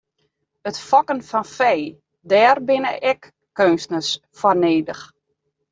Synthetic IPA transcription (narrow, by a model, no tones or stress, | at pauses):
ətfɔkənfɔnfɛj | dɛːrbɪnə̰ʔɛkː | øːnsnəs | fɔrneːdəx